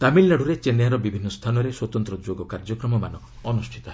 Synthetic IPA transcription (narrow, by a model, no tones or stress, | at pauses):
t̪amilnaɽʱuɾet͡ʃenjaɾɔbibʱinːɔst̪ʰanɔɾeswɔt̪ɔnt̪ɾɔd͡ʒoɡɔkaɾd͡ʒɔkɾɔmɔmanɔː | nusʈʰi̥t̪ɔɦe